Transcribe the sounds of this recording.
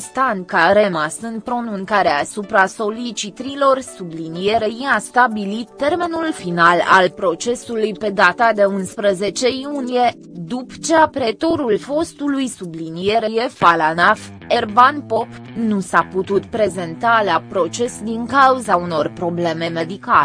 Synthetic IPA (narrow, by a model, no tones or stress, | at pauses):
st̪ankaɾemasɨnpɾo̞nũŋkaɾeaːsupɾaso̞lit͡ʃit̪ɾilo̞rsublinije̞ɾejiast̪abilit̪ːe̞rme̞nulfinala̰lpɾo̞t͡ʃe̞sulujpe̞d̪at̪ad̪e̞unspɾəze̞t͡ʃe̞junije̞ | d̪upt͡ʃeapɾe̞t̪o̞ɾulfo̞st̪ulujsublinijeɾeje̞falanaf | ervanpo̞p | nusaput̪ut̪pɾe̞ze̞nt̪alapɾo̞t͡ʃe̞sd̪iŋkauzauno̞rpɾo̞ble̞me̞me̞d̪ikale